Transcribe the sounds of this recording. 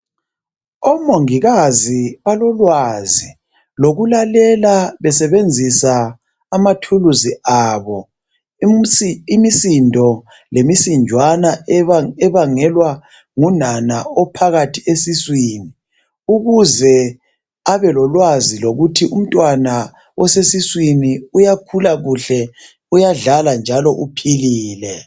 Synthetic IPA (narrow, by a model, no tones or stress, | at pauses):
ɔmoŋiɣaziβalɔlwazi | loɣulalɛlaβɛsɛβend͡zʱisaː | matʰuluziʔaβɔ | imisindʱɔ | lemisind͡ʒʱwanaɛβaŋɛlwa | ŋunanaɔpʰaɣatʰiesiswiːni | uɣuzɛ | aβɛlɔlwaziloɣutʰiʔum̩tʼwana | wʔɔsesiswiniujakʰulaɣuɬɛ | ujaɮaland͡ʒʱalɔʔupʰiliːlɛ